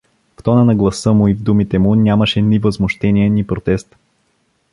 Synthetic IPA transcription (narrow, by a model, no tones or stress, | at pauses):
ft̪ɔnənɐɡlˠɐsɤmʊivd̪umit̪ɛmʊnʲaməʃɛnʲivəzmoʃt̪ɛniɛnipɾot̪ɛst̪